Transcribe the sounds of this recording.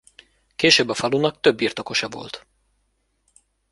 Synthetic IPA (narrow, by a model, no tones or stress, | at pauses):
keːʃøːbːɒfɒlunɒk̚t̪øbːiːrt̪o̞ko̞ʃɒvo̞̰lt̪